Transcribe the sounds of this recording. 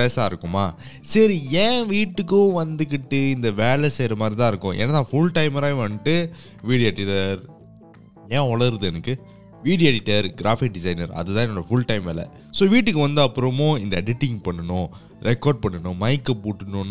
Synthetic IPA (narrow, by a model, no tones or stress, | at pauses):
peːsaːɪɾɯkːɯmaː | sɐɾiẽːʋiːʈːɯk̬ːʊ̃ʋɐnd̪ɯkːɪʈːɯɪnd̪ɐʋeːɭɛsɛjɾɐmaːd̪ɾit̪ãːɪɾɯkːʊ̃ʔɛ̰nːɐt̪ãːfʊɭʈɐɪmɐɾajʋɐnʈːɯ | ʋiːɽɪeʈːɪʈːɐɾ | ɛ̃ːɔɭɐɾɯðɯɛnɐkːɯ | ʋiːɽjɛɽɪʈːɐɾɡɪɾaːfɪk̚ɖɪsɐɪnɐɾɐ̰ðɯt̪ãːnɔɽɐfʊɭʈɐɪmʋeːɭɛ̰ | soːʋiːʈːɯkːɯʋɐnd̪ɯɐpːɯɾɐmʊ̃ɪnd̪ɐɛɽɪʈːɪ̃ŋɡpɐɳːɐnʊ̃ | ɾʔɛkːoːɾɖ̚pɐɳːɐnʊ̃mɐɪkːɐpuːʈːɯnʊ̃n